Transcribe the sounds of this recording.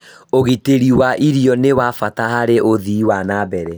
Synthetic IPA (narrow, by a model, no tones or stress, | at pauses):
oɣiteɾiwaʔiɾjɔnewafatahaɾeʔoðiːwanabɛɾɛ